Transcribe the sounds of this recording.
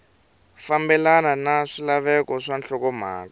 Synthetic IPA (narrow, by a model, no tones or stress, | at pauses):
fambɛlananaʂilaβɛkɔʂant͡ɬɔkɔm̤a̰ːka